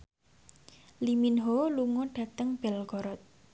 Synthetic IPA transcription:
liminɦoluŋɔɖ̥ä̤t̪əŋb̥ɛlɡɔɾɔt̪̚

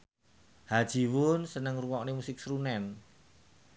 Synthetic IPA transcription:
had̥ʒ̥i̤wʊnsənəŋruwɔknemusɪk̚sɾunɛn

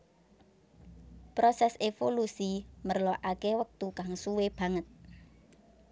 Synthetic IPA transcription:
pɾɔsɛsefolusimərlɔʔakewək̚t̪ukaŋsuweb̥ä̤ŋət̪̚

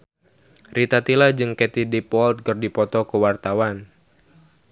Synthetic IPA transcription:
rʔit̪at̪ilad͡ʒɨŋkɛt̪idipɔlt̪̚kɨrdipɔt̪ɔkəwart̪awan

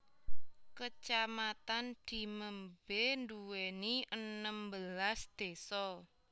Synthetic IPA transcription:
kət͡ʃamat̪and̪̥i̤məmbenduweniʔənəmbəlasd̪̥e̤sɔ

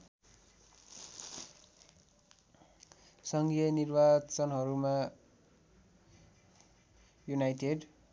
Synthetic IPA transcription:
sʌŋɡjʌnirbat͡sʌnɦʌɾuma | junajʈeɖ

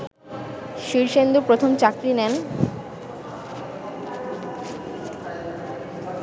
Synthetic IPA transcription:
ʃiɾʃend̪upɾot̪ʰomt͡ɕakɾinen

